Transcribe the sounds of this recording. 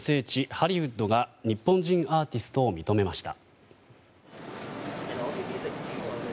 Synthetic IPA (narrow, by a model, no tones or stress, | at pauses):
se̞ːt͡ɕihaɾʲiɯ̟d̪ːo̞ɡaɲ̟ipːõ̞ɲ̟d͡ʑĩɰ̃aːt̪ʲisɨ̥t̪o̞ːmʲit̪o̞me̞maɕi̥t̪a̰